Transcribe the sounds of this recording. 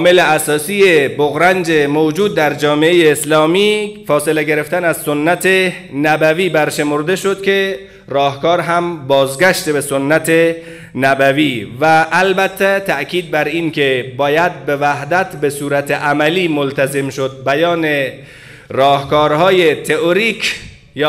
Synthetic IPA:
meleæsɒːsiːjeboɣɾænd͡ʒemowd͡ʒuːd̪̚ːæɾd͡ʒɒːmeejeːslɒːmiːfɒːse̞leɡe̞ɾe̞ft̪ænæzsonːæt̪ʰe | næbæviːbæɾʃe̞moɾd̪e̞ʃo̞d̪̥kʲʰe̞ | rɒːhkɒːɾɦæmbɒːzɡæʃt̪ebeso̞nːæt̪ʰe | næbæviːvæʔːlbæt̪ʰːæt̪ʰæʔkʰiːd̪̚bæɾinkʰebɒːjæd̪̚bevæɦd̪æt̪besuːɾæt̪ʰeʔæmæliːmolt̪æzemʃod̪̚bæjɒːne | rɒːhkɒːɾɦɒːjet̪ʰeʔoɾiːkʰ | j

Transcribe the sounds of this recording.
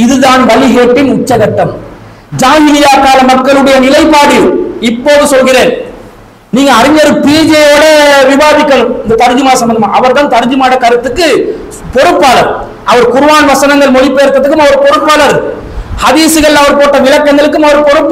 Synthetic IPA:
ɪðɯðaːnʋɐliɦeːʈːɪnʊt͡ʃːɐɣɐʈːɐm | d͡ʒaːnɪɪjaːkaːlɐmːɐkːɐɭɯɽɐjɐnɪlɐɪpːaːɽɯɪpːoːðɯsɔlɣɪɾeːn | niːŋɡɐːɾɪɲːɐɾɯpiːd͡ʒeoːɽɐʋɪʋaːðɪkːɐɭɯmɪnd̪ɐt̪ɐɾɯd͡ʒɯmaːsɐmbɐndɐmaːɐʋɐɾt̪aːnt̪ɐɾɯd͡ʒɯmaːɽɐkɐɾɯt̪ːɯkːɯ | pɔɾɯpːaːlɐɾ | ʔɐʋɐɾkʊɾɯʋaːnʋɐsɐnɐŋɡɐɭmɔɽɪpːeːɾt̪ːɐðɯkːɯmɐʋɐɾpɔɾɯpːaːlɐɾ | hɐðiːsɯɣɐɭɐʋɐɾpoːʈːɐʋɪlɐkːɐŋɡɐɭɯkːɯmɐʋɐɾpɔɾɯpː

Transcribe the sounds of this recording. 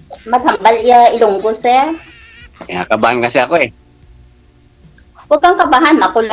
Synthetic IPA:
mɐɡ̚hɐmbalɪjaɪlʊŋɡosɛɹ | ɪa̰kɐbahankɐsɛɐkoɛ | wɐɡaŋkɐbaɦanmɐkʊl

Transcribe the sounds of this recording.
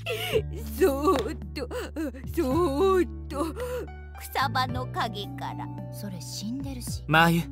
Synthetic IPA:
sot̪ːosot̪ːo | kɯ̟̥sabano̞kaɡe̞kaɾa̰so̞ɾe̞ɕĩnd̪e̞ɾɯ̟ɕi̥majɯ

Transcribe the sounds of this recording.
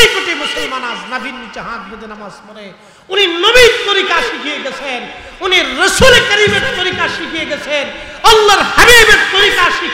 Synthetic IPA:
ikoʈ̪emʊsɐlmaːnaːznɐbʱinmit͡ʃɐɦãːk̪̚bɐd̪enɐmasmɐɾe | uninobit̪ɔɾikaʃikʰieɡɐt͡sʰen | uniɾɐsuːlekɐɾiːmeɾt̪ːɔɾikaʃikʰieɡɐt͡sʰen | ɐlːɐɾhɐbiːbet̪ɔɾikaʃi

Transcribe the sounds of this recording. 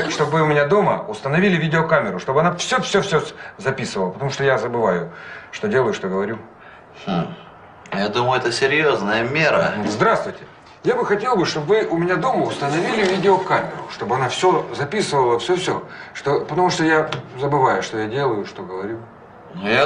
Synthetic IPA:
ʂt̪o̞bvɨʊmʲɪnʲad̪o̞mə̰ʊst̪ənɐvʲilʲɪvʲidʲɪokamʲɪɾʊʂt̪o̞bɨɐnafsʲɵfsʲɵfsʲozɐpʲisɨvəlˠəpət̪ɐmuʂt̪ojazəbɨvajʊʂt̪o̞dʲelˠəjʊʂt̪oɡəvɐɾʲu | jad̪uməjʊɛt̪əsʲɪɾʲjoznəjəmʲe̞ɾəzd̪ɾast̪vʊjtʲɪ̥ | jabɨxɐtʲe̞lˠbɨʂt̪o̞bvɨʔʊmʲɪnʲad̪o̞məʊst̪ənɐvʲilʲɪvʲidʲɪokamʲɪɾʊʂt̪o̞bɨɐnafsʲozɐpʲisɨvəlˠəfsʲɵfsʲoʂt̪opət̪ɐmuʂt̪ojazəbɨvajʊʂt̪o̞jadʲe̞lˠəjʊʂt̪o̞ɡəvɐɾʲu | nuja

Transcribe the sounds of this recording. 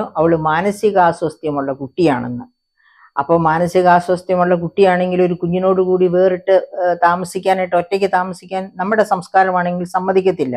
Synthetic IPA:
ɐʋiɭɨmaːnɐsiɣaːswɐst̪jɐmuɭːɐkuʈːijaːɳḛnːɨ | ɐ̰pːo̞ːmaːnɐsiɣɐaːswɐst̪jɐmuɭːɐkuʈːijaːɳe̞ŋɡilo̞ɾukuɲːuno̞ːɽukuːɽiʋe̞ːriʈːɨt̪aːmɐsikʲːaːniʈːɨo̞tːekʲːɨt̪aːmɐsikʲːaːnnɐmːuɽesɐmskaːɾɐmaːɳe̞ŋɡilsɐmːɐðʱikʲːɐt̪ːilːɐ̰

